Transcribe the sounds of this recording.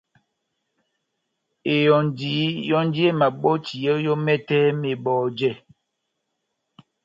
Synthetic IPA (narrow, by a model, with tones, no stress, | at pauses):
e˨jɔ˨n˨di˨˦jɔ˦n˦di˦e˦˨ma˨ɓɔ˦t͡ʃi˨ɔ˦jɔ˦mɛ˦tɛ˦me˨ɓɔː˨d͡ʒɛ˦˨